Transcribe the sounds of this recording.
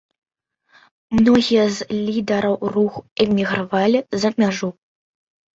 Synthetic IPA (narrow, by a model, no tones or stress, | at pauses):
mnɔɣʲijɐzlʲid̪ɐɾɐwruxɛmʲiɣɾavalʲizɐmʲaʐu